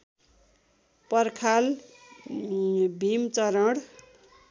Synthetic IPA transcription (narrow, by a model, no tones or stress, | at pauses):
pʌrkʰal | bʱimt͡sʌɾʌɽ